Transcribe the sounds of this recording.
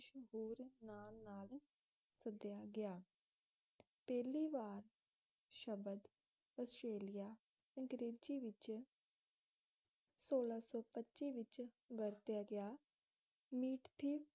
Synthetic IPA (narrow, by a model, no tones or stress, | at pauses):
ʃəɦuːɾnaːnnaːl | səd̪ɪjaːɡɪaː | pɛːliːʋaːɾ | ʃəbəd̪ | əsʈɾeːlɪjaː | əŋɡɾeːd͡ʒiːʋɪt͡ʃ | soːlaːsɔːpətːt͡ʃiːʋɪt͡ʃ | ʋəɾt̪jaːɡɪaː | miːʈt̪ʰiː